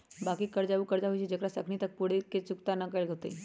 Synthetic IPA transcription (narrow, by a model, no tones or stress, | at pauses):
bakiːkəɾd͡ʑaʋukəɾd͡ʑaʋuɕid͡ʑəkɽasəkʰnit̪ək̚puɽ̤eket͡sukt̪anakelɡʱət̪ḛ